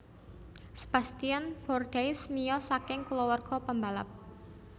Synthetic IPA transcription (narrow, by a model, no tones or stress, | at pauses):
sə̥b̥ast̪ianfɔrɖ̥ajsmijɔsakɪŋkulɔwərɡ̥ɔpəmbala̰p̚